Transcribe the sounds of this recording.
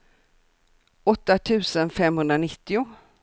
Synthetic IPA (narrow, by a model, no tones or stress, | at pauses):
ɔt̪ːat̪ʰʉ̟ːsənfɛmhɵnd̪ɾanɪt̪ːɪʊ